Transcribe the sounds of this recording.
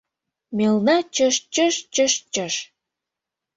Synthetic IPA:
melnɑt͡ɕəʃt͡ɕəʃt͡ɕəʃt͡ɕəʃ

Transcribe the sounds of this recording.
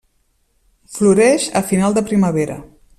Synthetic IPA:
fluɾɛʃə̰finalˠd̪əpɾiməβ̞eɾə̰

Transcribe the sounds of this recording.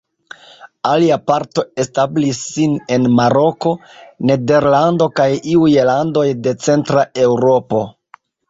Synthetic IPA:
aliapaɾto̞e̞stablisːine̞nmaɾo̞ko̞ne̞de̞ɾlando̞kajiujlando̞jde̞t͡se̞ntɾae̞wɾo̞po̞

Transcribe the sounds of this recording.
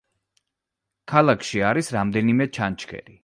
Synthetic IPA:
kʰalˠakʰʃiaɾisɾamd̪ɛnimɛt͡ʃʰant͡ʃʰkʰɛ̰ɾi

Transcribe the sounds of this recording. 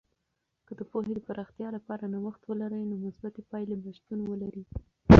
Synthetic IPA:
kəd̪əpohed̪əpaɾɑxt̪jɑlapɑɾanawaxt̪wəlaɾəjnomʊsbat̪epɑjlebaʃt̪unwəlaɾi

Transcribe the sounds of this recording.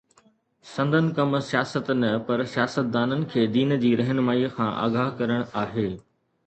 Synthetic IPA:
sɐ̃nd̪ʱənɪ̆kɐmsijaːsət̪nɐpɐɾsijaːsət̪̚d̪aːnənɪ̆kʰeːd̪iːnd͡ʑiːɾɐɦənmaːiːkʰãːʔa̰ːɡaːɦkɐɾəɽ̃aːɦeː

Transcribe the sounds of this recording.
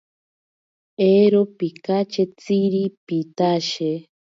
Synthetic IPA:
eɾopikat͡ʃet͡siɾipit̪aʃe

